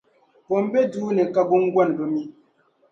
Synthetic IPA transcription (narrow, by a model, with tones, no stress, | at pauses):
pɔ˨m˦be˦duː˦ne˨ka˦bu˦ŋ̩˦ɡwa˦nbə˦mi˦